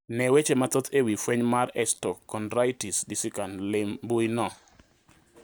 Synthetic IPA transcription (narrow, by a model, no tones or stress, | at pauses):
nɛwet͡ʃemat̪ot̪ʰewifweɲmaɾɛstɔkːɔnɾajtisdisɪkanlɪmbujnɔ